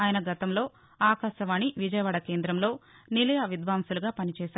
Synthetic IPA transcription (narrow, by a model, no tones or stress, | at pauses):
aːjɐnɐɡɐt̪ɐmlo̞ː | aːkaːʃɐʋaːniʋid͡ʒɐjɐʋaːɽɐkeːnd̪ɾɐmlo̞ːnilɐjɐʋid̪ʋaːmsuluɡaːpɐnit͡ʃɛːʃaːɾ